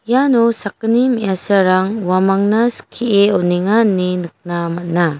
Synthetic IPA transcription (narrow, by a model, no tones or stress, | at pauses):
janusak̚ɯnimijasaɾaŋwamaŋnaskʰieɔniŋanːinɯk̚namat̚na